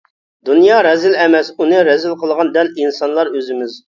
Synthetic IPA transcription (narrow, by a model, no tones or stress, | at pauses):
d̪unjɑɾɛzɪlɛmɛsunɨɾɛzɪlˠqʰəlˠʁɑnd̪ɛlinsɑnlˠɑɾøzɪmɪz